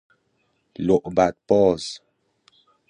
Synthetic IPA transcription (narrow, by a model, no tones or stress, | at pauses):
loʔbat̚pɔs